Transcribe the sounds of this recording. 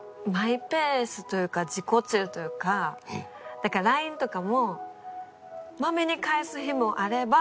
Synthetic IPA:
maipe̞ːsɨt̪o̞jɯ̟ːkad͡ʑiko̞t͡ɕɨːt̪o̞jɯ̟ːka | d̪̥akaɾaĩnt̪o̞kamo̞ | mame̞ɲ̟ikaesɨçimo̞ʔaɾe̞ba

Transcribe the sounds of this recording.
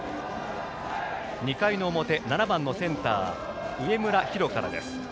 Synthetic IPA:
ɲ̟ikaino̞mo̞t̪e̞nanabãnːo̞sẽ̞nt̪a̰ː | ɯ̟e̞mɯ̟ɾaçiɾo̞kaɾa̰d̪e̞̰sɨ̥

